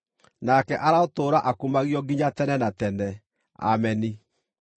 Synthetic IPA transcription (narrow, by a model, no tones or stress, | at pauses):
nakɛʔaɾaotoːɾaʔakumaɣjɔɡiɲatɛnɛnatɛnɛ | a̰mɛni